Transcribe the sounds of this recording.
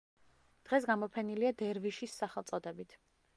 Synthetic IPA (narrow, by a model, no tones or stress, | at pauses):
d̪̥ʁɛsɡamɔpʰɛniliad̪ɛɾviʃisːaχɛlˠt̪sʼɔd̪ɛbit̪ʰ